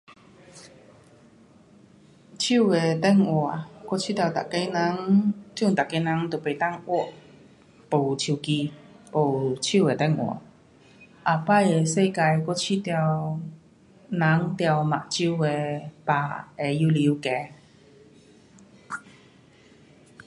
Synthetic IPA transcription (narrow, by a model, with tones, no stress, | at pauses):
t͡ɕʰi˥˨we˨˩t̪ɛ˥˨ŋwɔ˨˩kwɔ˥˨t͡ɕʰi˥t̪ja˧wt̪a̰˨ke˧˥na˧˦ŋt͡ɕju˥˧˨ŋt̪a˨kːe˧˦nã˧˥˦ŋt̪o˨˩pe˨˩jt̪a˥˧˨ŋwɔ˥˩˨ʔ | po˨˩wt͡ɕʰi˧wki˧po˨˩wt͡ɕʰi˥˨we˨˩t̪ɛ˥˨ŋwɔ̰˨˩ | ʔa˨˩pa˥je˨˧se˥˧˨ka˧jkwɔ˥t͡ɕʰi˥˩t̪ja˧˩w | nã˨˧˦ŋt̪ja˧˩wma̰˨ʔt͡ɕʰi˧˥˧we˨˩pa˨˩e˧ju˧li˨˧˦wkɛ˧˦